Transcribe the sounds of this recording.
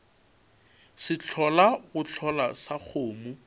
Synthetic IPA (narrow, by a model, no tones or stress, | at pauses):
sɪt͡ɬʰɔlaɣʊt͡ɬʰɔlasak͡xʰoːmʊ